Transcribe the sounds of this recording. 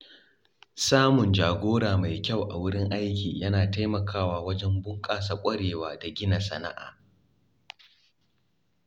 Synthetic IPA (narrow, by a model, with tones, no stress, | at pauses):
saː˦mʊ˨nd͡ʒaː˨ɡʷoː˦ɽaː˨ma˨jkʲa˦˨wʔa̰˨wʊ˦ɽɪ˦ŋʔa˦jkʲiː˨jɐ˦naː˨ta˦jmɐ˨kʰaː˦waː˨wɐ˦d͡ʒɛ˦mbʊ˦ŋkʼaː˨sa˨kʷʼɐ˦ɽeː˨waː˦da˨ɡʲɪ˦na˨sɐ̰˨na̰˦ʔa̰ː˨